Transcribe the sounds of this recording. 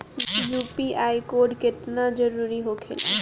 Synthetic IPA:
jupiʔajkoɖket̪nad͡ʒɔɾuɾiɦokʰḛl

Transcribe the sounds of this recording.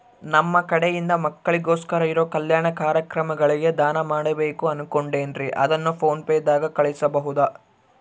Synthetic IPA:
nɐmːɐkɐɽejind̪ɐmɐkːɐɭiɡo̞ːskɐɾɐiɾoːkɐljaːɳɐkaːɾjɐkɾɐmɐɡɐɭiɡe̞d̪aːnɐmaːɽɐbe̞ːkuɐnuko̞ɳɖeːnɾiʔɐ̰d̪ɐnːupʰo̞ːnpeːd̪aːɡɐkɐɭisɐbɐɦud̪ɐ

